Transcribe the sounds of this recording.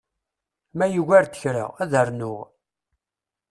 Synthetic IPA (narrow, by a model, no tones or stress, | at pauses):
mæjuɣæɾt̪ə̥çɾə̰ʁæðəɾnʊʁ